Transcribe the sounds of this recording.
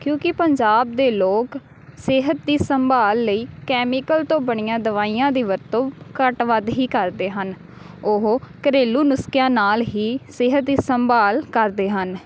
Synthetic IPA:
kjõːkɪpəɲd͡ʒaːb̚d̪eːloːk | seɦət̪̚d̪iːsəmbaːlːəiːkɛːmiːkəlt̪õːbəɳ̃ɪjãːd̪əʋaːiːjãːd̪iːʋəɾt̪õːkəʈʋəd̪ɦiːkəɾd̪eːɦən | ʊɦkəɾeːluːnʊskjãːnaːlɦiːsɪɦət̪̚d̪iːsəmbaːlkəɾd̪eːɦən

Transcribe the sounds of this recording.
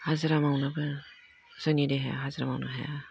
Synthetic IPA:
hazɯɾamawnɯbɯ | z̥ɯnideɦeja̰ɦazɾama̰wnɯ̰ɦḛja

